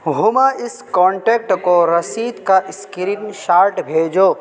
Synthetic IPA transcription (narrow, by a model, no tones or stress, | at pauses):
ɦumaɪskɔ̃ːɳʈeːk̚ʈkoɾɐsiːd̪kaʔɪskɾiːnʃaːɾʈbʱeːd͡ʒoː